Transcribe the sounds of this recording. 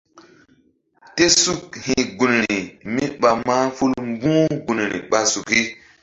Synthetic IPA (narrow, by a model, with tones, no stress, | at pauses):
te˦su˦k̚hi˨ɡu˨nɾi˨mi˦ɓa˨ma˦fu˦lm˦bũː˦ɡu˨nɾḭ˨ɓa˨su˨ki˦